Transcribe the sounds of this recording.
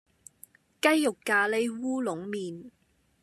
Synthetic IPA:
kɐ˥jːʊ˨kːaː˧le˨˥jwuː˥lʊ˨˥ŋmiː˨n

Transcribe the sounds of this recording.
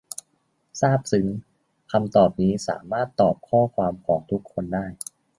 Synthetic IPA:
saː˥˩p̚sɯ˩˦ŋ | kʰa˧mt̪ɔː˨˩p̚niː˦˥sa̰ː˩˦maː˥˩t̪ːɔː˨˩p̚kʰɔː˥˩kʰwaː˧mkʰɔː˩˦ŋt̪ʰu˦˥kʰːo˧ndaː˥˩j

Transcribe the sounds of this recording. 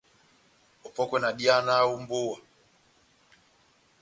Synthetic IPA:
ɔ˨pɔ˦kwɛ˨na˨ɗia˦na˦u˦mbu˦wa˨

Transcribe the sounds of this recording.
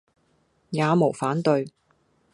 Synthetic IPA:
jaː˨˧mo˨˩wfaː˨˥nt̪ɵ˧ɥ

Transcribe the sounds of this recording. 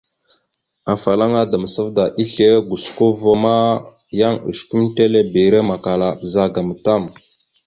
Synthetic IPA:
a˨fa˨la˦ŋa˦da˨mə˨sə˦vda˨ʔi˦ɬe˦ɡu˨sko˦vo˦ma˦ | ja˦ŋṵ˨ʃku˦mte˦le˦bi˨ɾe˦ma˨ka˨la˨bə˨za˦ɡa˨mə˨ta˦˨m

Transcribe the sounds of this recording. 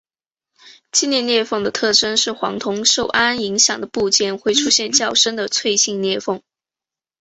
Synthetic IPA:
t͡ɕi˥˧njɛ˥˧njɛ˥˧fɤ˥˩ŋd̪ə˩t̪ʰɤ˥˩ʈ͡ʂə˥nʂɻ̩˥˩xwɑ̰˧˥ŋt̪ʰʊ˧˥ŋʂo˥˩ʊʔa˥ni˧˥ŋɕjɑ˨˩ŋd̪ə˦pu˥˧t͡ɕjɛ˥˩nxwe˥˩ɪʈ͡ʂʰu˥ɕjɛ˥˧nt͡ɕjɑ˥˩ʊʂə˥nd̪ə˨t͡sʰwe˥˧ɪɕi˥˧ŋnjɛ˥˧fɤ˥˩ŋ

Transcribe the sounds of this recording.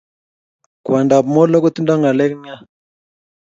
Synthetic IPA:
kwa˨nda˨bmɔ˦lɔ˦kɔ˦ti˦nda˦ŋɡa˨lɛ˦kni˦a˦

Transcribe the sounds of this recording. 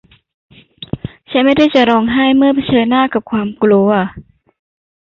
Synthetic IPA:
t͡ɕʰa˦˥nma˥˩jda˥˩jt͡ɕa˨˩ʔɾɔː˧ŋɦaː˥˩jmɯ˥˩˨pʰa˧t͡ɕʰɤː˧nːaː˥˩ka˨˩p̚kʰwaː˧mkloː˧˩

